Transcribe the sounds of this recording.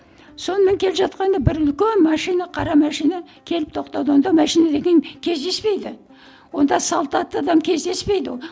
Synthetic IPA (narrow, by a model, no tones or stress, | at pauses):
so̞nəme̞ŋkʲʰe̞lɪpʒɑt̪qɑnd̪ɑbɪɾʏlkʲe̞nmɑʃijnɑqʰɑɾɑmæʃijnɑ | kʲʰe̞lɪpt̪ʰo̞qt̪ɑwd̪əwo̞nd̪ɑmæʃijnad̪eɡʲe̞nkʲʰe̞zd̪e̞spe̞jd̪ɪ | wo̞nd̪ɑsɑlˠt̪ɑt̪ːəɑd̪ɑmkʲʰe̞zd̪e̞spe̞jd̪ɪ